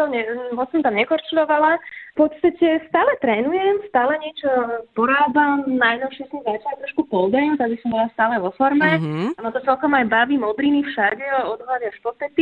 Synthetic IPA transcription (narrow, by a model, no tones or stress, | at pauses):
t̪ɔɲɛmɔsɔmt̪amɲɛkɔɾt͡ʃulɔʋalapɔt̪st̪acɛst̪aːlɛt̪ɾɛːnujɛmst̪aːlɛɲɪɛt͡ʃɔpɔɾaːbamnajnɔʊʃɪɛsɔmzat͡ʃat̪ɾɔʃkupɔld̪ajɛmt̪aɡbisɔmbɔlast̪aːlɛʋɔfɔɾmɛamat̪ɔt͡sɛlkɔmajbaʋiːmɔbɾiːnifʃaɟɛɔd̪ɦlad̪ɪaʃpɔt̪ɛt̪i